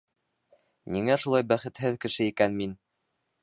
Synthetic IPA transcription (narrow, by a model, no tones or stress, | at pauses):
niŋæʃulˠɑjbæχɘ̆t̪hɘðkɘ̆ʃɘikænmin